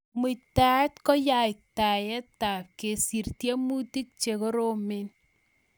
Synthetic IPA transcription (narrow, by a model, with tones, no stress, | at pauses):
mu˨ta˦tkɔ˦ja˨ɪ˨k̚ta˨jɛ˦ta˨p̚ke˨si˨rtjɛ˦mu˦ti˦k̚t͡ʃe˨ko˦ɾo˦me˦n